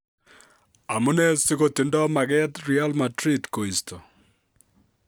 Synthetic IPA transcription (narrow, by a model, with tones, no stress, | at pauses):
a˨mu˦ne˦si˦ko˦ti˨ndɔ˦ma˨ɡɛ˦t̪ɾialmadɾi˦tko˨i˨stʰo˨